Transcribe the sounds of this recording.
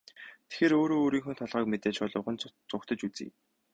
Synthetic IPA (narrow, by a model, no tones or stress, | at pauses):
t̪ʰe̥xeːɾoːɾoːɾiːŋxunt̪ʰɔɮʁœːkmet̪eːt͡ɕpɔɮʊ̆wʁə̆nt͡sʊkt̪ʰə̆t͡ɕut͡sḭː